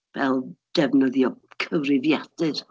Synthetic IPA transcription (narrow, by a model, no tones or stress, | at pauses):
vɛlˠd̥ɛvnəðjɔkʰəvrɪvjad̥ɨr